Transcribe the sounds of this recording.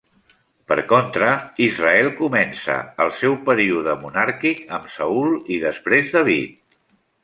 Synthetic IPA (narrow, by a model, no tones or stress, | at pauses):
pə̰ɾkont̪ɾəizraɛlˠkumɛnsə̰əlˠsɛwpəɾiuðəmunaɾkikəmsəulˠiðəspɾezðaβ̞it̪̚